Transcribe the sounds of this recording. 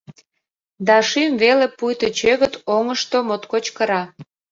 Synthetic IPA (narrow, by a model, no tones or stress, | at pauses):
d̪ɑʃimvelepujt̪ot͡ɕøɣə̆t̪oŋəʃt̪omot̪kot͡ɕkəɾɑ